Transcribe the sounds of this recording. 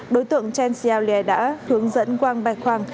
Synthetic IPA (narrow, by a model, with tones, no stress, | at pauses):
ɗo˨˦jt̪ɨ̰˧˨əŋt͡ɕɛ˧nsi˧aː˧wli˧ɛ˧˩ɗa̰ː˧˥hɨ˨˦əŋzə̰˧˥nkwaː˧ŋɓaː˧˩jkʰwaː˧˩ŋ